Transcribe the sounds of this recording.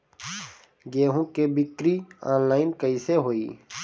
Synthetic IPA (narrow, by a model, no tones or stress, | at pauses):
ɡeːɦũkebɪkɾiaːnlaːɪnkəiseɦoːiː